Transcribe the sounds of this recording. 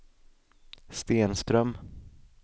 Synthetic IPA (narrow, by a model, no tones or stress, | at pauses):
st̪eːnst̪ɾœm